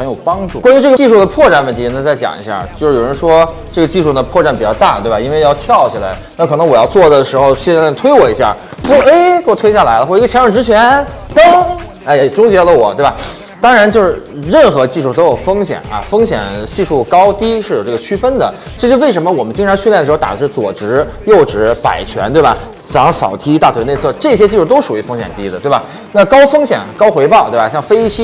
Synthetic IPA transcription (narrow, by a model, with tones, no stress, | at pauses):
xə˥njo˨˩ʊpɑ˥ŋʈ͡ʂu˥˩kwa˥ny˧˥ʈ͡ʂɤ˥˩ɡə˩t͡ɕi˥˧ʂu˥˩d̪ə˩pʰwɔ˥˧ʈ͡ʂa˥˩nwə˥˩nt̪ʰi˧˥na˧˥t͡sa˥˩ɪt͡ɕjɑ̰˨˩ŋḭ˧˥ɕja̰˥˧˩t͡ɕjʊʂɻ̩˥˩jo˨˩ɻə˧˥nʂwɔ˥ʈ͡ʂɤ˥˩ɡə˩t͡ɕi˥˧ʂu˥˩d̪ə˩pʰwɔ˥˧ʈ͡ʂa˥˩npi˨˩t͡ɕjɑ˥˧ʊt̪a̰˥˩t̪we˥˩ɪba˨˩i˥nwe˥˧ɪjɑ˥˧ʊt̪ʰjɑ˥˩ʊt͡ɕʰi˨la̰˧˥ɪna˥˩kʰɤ˨˩ɤ˧˥ŋwɔ˨˩jɑ˥˧ʊt͡swɔ˥˩d̪ə˩ʂɻ̩˧˥xo˧ʊɕjɛ˥˧n˥˩t̪ʰwe˥ɪwɔ˨˩i˧˥ɕja̰˥˩ | pu˧˥˩e˥˩kwɔ˨˩we˥ɪ˥ɕja˥˩la˧˥ɪlə˧xwɔ˥˩˧ə˩jɛ˧˥ɻɑ˥˩ʈ͡ʂɻ̩˧˥t͡ɕʰɥɛ˧˥nt̪ɤ˥ŋ | e˥˩˥ʈ͡ʂʊ˥ŋt͡ɕɛ˧˥˩lə˧˩wɔ˨˩˦t̪we˥˩ba˨˩ | t̪ɑ˥ŋɻa˧˥nt͡ɕjo˥˧ʊʂɻ̩˥˩ɻə˥˩nxɤ˧˥t͡ɕi˥˧ʂu˥˩t̪o˥ʊjo˨˩ʊfɤ˥ŋɕjɛ̰˨˩˦nɐ̰˧˩fɤ˥ŋɕjɛ̰˨˩nt͡ɕi˥˧ʂu˥˩kɑ˥ʊt̪i˥ʂɻ̩˥˩o˨˩ʈ͡ʂɤ˥˩ɡə˩t͡ɕʰy˥fə˥nd̪ə˨ | ʈ͡ʂɤ˥˧˩t͡ɕjʊwe˥˩ɪʂ̬ə˧˥mə˧wɔ˨˩mə˦nt͡ɕi˥ŋʈ͡ʂʰɑ˧˥ŋɕy˥˧ljɛ˥˩d̪ɻ̩˧˥˧t̪a̰˨˩də˦˩ʂɻ̩˥˩t͡swɔ˨˩ʈ͡ʂɻ̩˧˥ | jo˥˩ʊʈ͡ʂɻ̩˧˥pa̰˨˩ɪt͡ɕʰɥɛ˧˥nt̪we˥˩ɪbɐ̰˩ | t͡ɕ̩˨˩˥ŋsɑ˨˩ʊt̪ʰi˥t̪a˥˩we˧˥ne˥˧ɪt͡sʰɤ˥˧˩ʈ͡ʂɤ˥˩ɕjɛ˥t͡ɕi˥˧ʂu˥˩t̪o˥ʊʂu˨˩y˧˥fɤ˥ŋɕjɛ̰˨˩nt̪i˥d̪ə˨t̪we˥˩ba˩ | na˥˩kɑ˥ʊfɤ˥ŋɕjɛ̰˨˩˦nkɑ˥ʊxwe˧˥ɪpɑ˥˧ʊt̪we˥˩ba˨˩ɕjɑ˥˩ŋfe˥ɪ˥t͡ɕʰi˥